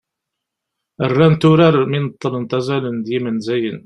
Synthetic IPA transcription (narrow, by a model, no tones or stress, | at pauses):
ərːænt̪ʊɾaɾminət̪ˤːələnt̪æzælənd̪jimənzæjən